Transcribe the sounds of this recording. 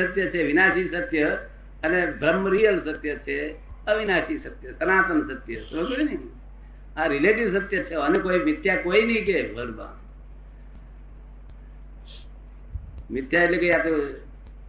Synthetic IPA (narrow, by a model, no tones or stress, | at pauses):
ət̪jət͡ʃʰeʋinaːʃisɐt̪jə | ɐnebɾəmːəɾijəlsɐt̪jət͡ʃʰe | əʋinaːʃisɐt̪jət̪ɐnaːt̪ənsɐt̪jət̪oləkoinɐi | aɾileːʈiʋsɐt̪jət͡ʃʰeənekoːimɪt̪jakoinɐɦik̬ebʱəɽba̰ːn | mɪt̪jaeʈlekoiap̪e